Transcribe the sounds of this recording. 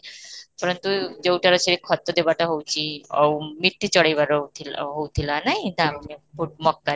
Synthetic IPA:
pɔɾɔnt̪ud͡ʒewʈaɾɔt͡ʃʰeɾekʰɔt̪ːɔd̪ebaʈaɦowt͡ʃʰiɔ̰wmiʈ̪ːit͡ʃɔɽajbaɾot̪ʰilɦowt̪ʰilanaɦj̃d̪anepʰuʈ̚mɔkːa

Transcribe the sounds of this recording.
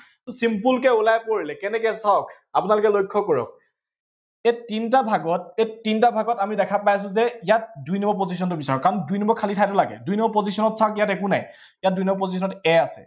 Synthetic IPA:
tʊsimpulkɛulajpoɹilɛkɛnɛkɛsɔk | apʊnalʊkɛlojkʰːɔkɔɹɔ̰k̚ | etint̬abʱaɡɔt̚etːintabʱaɡɔtamidɛkʰapajs̬ʊ̃zɛijat̚dujnɔmbɔp̬ozis̬ɔntʊbisaɹɔkːaɹɔndujnɔmbɔkʰalitʰajtʊlaɡɛ̰dujnɔmbɔpozisɔnɔtsakijatɛkunaj | ijat̚dujnɔmbɔpozis̬ʰɔnɔtɛasɛ̰

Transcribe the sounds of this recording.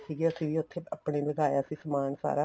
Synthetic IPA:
siːɡeəsĩːʋiːʊt̪ʰːeːəpɽeːbəɡaːjaːsiːsəmaːnsa̰ːɾaː

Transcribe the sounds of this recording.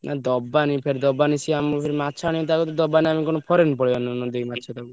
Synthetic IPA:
nʔad̪ɔbanipʰeɾid̪ɔbanisiampʰeɾimatːt͡ʃʰaɽ̃ĩɔ̃t̪akɔt̪ɔd̪ɔbaniamikɔnɔpʰɔɾenpɔɽiannɔd̪eimatːt͡ʃʰat̪aku

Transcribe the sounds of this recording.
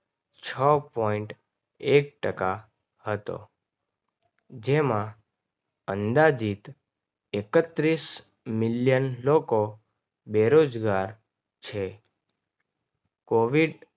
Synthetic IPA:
t͡ʃʰəpɔiɳʈ | ek̚ʈəka | hət̪o̰ | d͡ʒemã | ənd̪ad͡ʒit̪ | ekət̪ɾis | miljənloko | beɾod͡ʒɡaɾ | t͡ʃʰe | koʋiɖ

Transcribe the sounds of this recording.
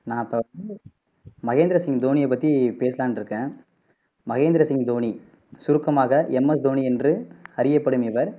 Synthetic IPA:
nãːɐpːɐɐɯ | mɐɣeːnd̪ɪɾɐsɪŋd̪oːnijɐp̬ːɐt̪ːipeːsɐlaːnɪɾɯkːẽː | mɐɣeːnd̪ɪɾɐsɪŋd̪oːni | sʊɾɯkːɐmaːɣɐʔɛmːɐs̬d̪oːniɛndrɯɐɾɪjɐpːɐɽɯmɪʋɐɾ

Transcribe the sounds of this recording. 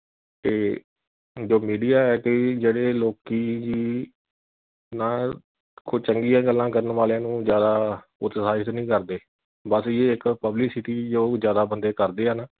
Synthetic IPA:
t̪eː | d͡ʒoːmiːɖijaːɛːkɪd͡ʒeːɽeːloːkiːd͡ʒiː | naː | kʊt͡ʃəŋɡijãːɡəlːãːkəɾənʋaːlãːnũːzjaːd̪aː | ʊt̪saːət̪nĩːkəɾd̪eː | bəsjeːɪkpəblɪksɪʈiːd͡ʒoːzjaːd̪aːbənd̪eːkəɾd̪eːɦəna

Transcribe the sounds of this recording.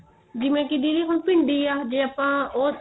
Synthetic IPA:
d͡ʒɪmẽːkɪd̪iːd̪iːɦʊnpɪɳɖiːaːd͡ʒeːaːpãːoː

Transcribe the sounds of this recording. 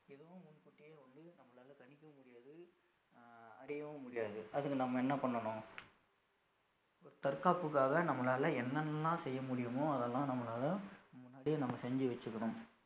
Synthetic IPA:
ɛðɐʋ̃mʊnkʊʈːɪjeːʋɐnd̪ɯnɐmːɐlaːlɐkɐɳɪkːɐmʊɽɪjaːðɯ | ɐɾɪjɐʋɐmʊɽɪjaːðɯɐðɯkːɯnɐmːɐɛnːɐpɐɳːɐɳʊ̃ː | ɔɾɯt̪ɐɾkaːpɯkːaːɣɐnɐmːɐlaːlɐɛnːɐnːãːsɛjːɐmʊɽɪjɯmõɐðɛlːãːnɐmːɐlaːlɐmʊnːaːɽinɐmːɐsɛɲd͡ʒiʋɐt͡ʃːɯkːɐɳʊ̃m

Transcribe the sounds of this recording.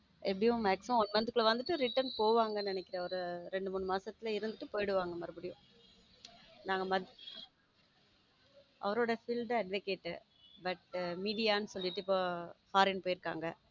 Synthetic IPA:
ɛpːɐɽɪjʊ̃mɛːksʊ̃nmɐnd̪ɯkːɯɭɐʋɐnd̪ɯʈːɯɾɪʈːɐɾnpoːʋaːŋɡɐnnɪnɛkʲːɪɾẽːɐʋɐɾɯɾɛɳɖɯmuːɳːɯmaːsɐt̪ːɪlɐɪɾɯnd̪ɯʈːɯpoːjɽɯʋaːŋɡɐmɐɾɯbɯɽɪjʊ̃ | naːŋɡɐmɐ | ʔɐ̰ʋɐɾoːɽɐfɪlɖɯɐɖʋɐkeːʈːɯ | bɐʈmiːɖɪjaːnɯsɔlːɪʈːɯɪpːoːfaːɾɪnpoːjɪɾɯkːa̰ːŋɡɐ

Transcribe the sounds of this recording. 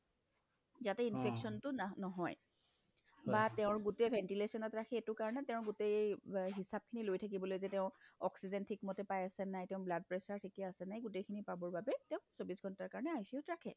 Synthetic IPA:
zatɛinfʰɛksɔntʊnɔɦɔj | batɛʊ̃ɹɡutebʱɛntilesɔnɔtɹakʰɛːtʊkaɹɔnɛtɛ̃ʊ̃ɹɡutejejɦisab̚kʰinilojtʰak̬ibɔlojzɛtɛʊ̃ɔksizɛntʰikmɔtɛpajasɛnajtɛ̃ʊ̃blad̚pɹɛsaɹtʰikɛasɛnajɡutejkʰinipabɔɹbabɛtɛʊ̃sobisɡʱɔntaɹkaɹɔnɛaɦisiʊtɹakʰɛ̰

